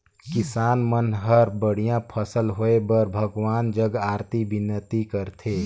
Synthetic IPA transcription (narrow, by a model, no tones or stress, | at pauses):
kisaːnmənɦəɾbəɽ̤ijãpʰəsəlɦoebəɾbʱəɡʋaːnd͡ʒəɡaːɾt̪ibinːət̪ikəɾt̪ʰe